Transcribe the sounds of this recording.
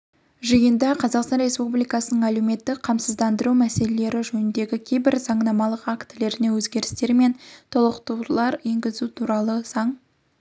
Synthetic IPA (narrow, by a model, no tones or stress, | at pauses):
ʒijənd̪ɑqʰɑzɑqst̪ɑnɾe̞spublijkɑsənəɴæluwme̞t̪ːɪkqʰɑmsəzd̪ɑnd̪əɾumæse̞lele̞ɾɪʒɵnɪnd̪e̞ɡʲɪkʲʰe̞jbɪɾz̥ɑɴnɑmɑlˠəqakt̪le̞ɾɪne̞wɵzɡʲe̞ɾɪst̪e̞ɾme̞nt̪ʰolˠəqt̪uwlˠɑɾje̞ŋɡʲɪzut̪ʰuɾɑlˠəsɑɴ